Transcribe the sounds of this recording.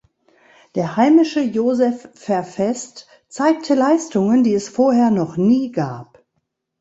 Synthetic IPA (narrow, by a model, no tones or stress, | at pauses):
d̥eːɐhaɪmɪʃəjoːzɛfːɛɐfɛst | t͡saɪk̚tʰəlaɪstʊŋəndiːɛsfoːɐɦeːɐnɔχniːɡaːp